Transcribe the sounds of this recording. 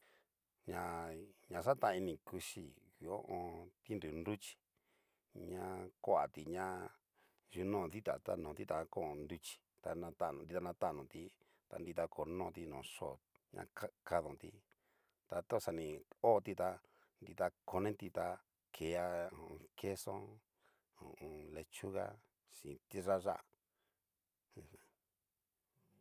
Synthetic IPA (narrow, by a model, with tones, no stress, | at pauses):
ɲã˧ɲã˧ʂa˦t̪ã˧i˧nĩ˧˨ku˧ʃḭ˧i˨o˦ʔõ˧t̪i˦nd̪u˨ndu˦t͡ʃi̥˨ | ɲã˧kʷo˦a˨t̪i˧ɲã˦ | ʒu˧nõ˦˧˨ði˦t̪a̰˨t̪a˧nõ˨t̪i˦t̪a˨˧kõ˦˧nd̪u˧t͡ʃi̥˨ | t̪a˧nã˧t̪ã˦˧ndi˧t̪a˧nã˧t̪a˦˨nõ˨t̪i˧˦ | t̪a̰˧nd̪i˧t̪a˧kʰo˨nõ˧t̪i˧nõː˨ʂo̰˦˨ | ɲã̰˧a˦ka˧ðõ˨t̪ḭ˧ | t̪a˧t̪o˦˨sa˧nĩ˧o˦˧t̪i˧t̪a˧ | nd̪i˧t̪a˧ko˨˧nẽ˦t̪i˧t̪a˧ | kʰe˨a˧õ˨˧kʰe˦sõ̰˦ | õ˨õ˧le˧t͡ʃu˦ɣa̰˦ | ʂĩ˨t̪i˦ʐa˦ʐa˦ʔ